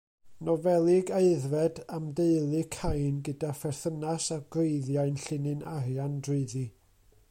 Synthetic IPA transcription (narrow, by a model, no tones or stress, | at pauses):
nɔvɛlˠɪɡaɨðvɛdamdeɨlˠɨkʰajnɡədafɛrθənasaɡ̥weɨðjaɨnɬɪnɨnarjandrɪɨði